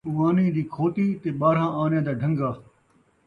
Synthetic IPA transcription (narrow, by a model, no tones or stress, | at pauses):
ʊʋaːnĩːd̪iːkʰoːt̪iːt̪eːɓaːɾ̤ãːaːnjãːd̪aːɖʱə̃ŋɡaː